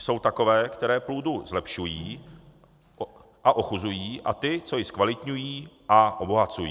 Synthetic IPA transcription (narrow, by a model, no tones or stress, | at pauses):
so̞wt̪ako̞vɛːkt̪ɛɾɛːpluːduzlɛpʃujiː | ʔaʔo̞xuzujiːʔa̰t̪ɪt͡so̞jɪskvalɪt̪ɲujiːʔaʔoboɦat͡sujḭː